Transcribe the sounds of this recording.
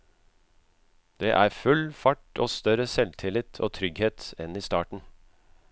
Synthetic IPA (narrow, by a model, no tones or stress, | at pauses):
d̪̥eːʔæːɾfʉlfɑʈoːst̪œɾəsɛlt̪ʰɪlɪt̪ʰo̰ːt̪ʰɾʏɡheːt̪ɛniːst̪ɑːʈɳ̩